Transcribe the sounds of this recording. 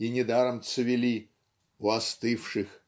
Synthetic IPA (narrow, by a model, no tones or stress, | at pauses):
inʲɪd̪aɾəmt̪sɨvʲɪlʲi | ʊɐst̪ɨfʂɨx